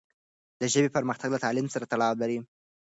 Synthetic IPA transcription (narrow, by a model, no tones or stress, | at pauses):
d̪əʒəbepəɾməxt̪aɡlat̪ɑlɪmsaɾat̪aɽɑwlaɾi